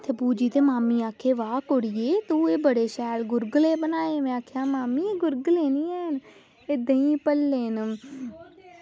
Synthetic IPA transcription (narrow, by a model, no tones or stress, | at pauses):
t̪ʰeːbuːd͡ʒiːt̪eːmaːmiːaːkʰeːʋaːkoɽɪjeːt̪uːeːbəɽeːʃɛːlɡʊɾɡleːbənaːeːmɛ̃ːaːkʰjãːmaːmiːeːɡʊɾɡleːnĩːɛːn | ɪd̪ə̃ĩːpəlːeːn